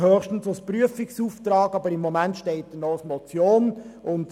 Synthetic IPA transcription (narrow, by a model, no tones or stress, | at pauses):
høːχʃtən̩sospryəfɪksuːft̪ɾɑːɡɑbəɾɪmːɔmæntʃteɪt̚dənɔsmot͡sjoːnʔʊnd